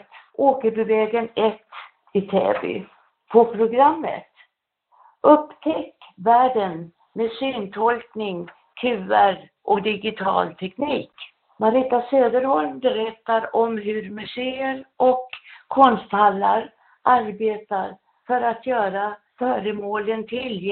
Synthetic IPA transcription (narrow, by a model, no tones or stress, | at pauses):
t̪ | oːkəɾbɛvɛːɡənɛt̪ː | ɪt̪ʰɛ̰ːbʏ̰ | pʰɔpʰɾʊɡɾamːə̰t̪ | ʔɵpːt̪ʰɛkːvæːɖən | mesyːnt̪ʰɔlknɪŋ | t̪ʰʉːəɾ | ʔɔd̪ɪɡɪt̪ʰɑ̰ːlt̪ʰɛkniːk | maɾɪt̪asøːd̪əɾhɔlmbɛɾɛt̪ːaɾɔmɦɵɾmɵseːəɾʔɔkʰːɔnst̪halːaɾ | ʔaɾbeːt̪aɾ | fœɾat̪jœːɾa | fœːɾəmoːlənt̪ʰɪl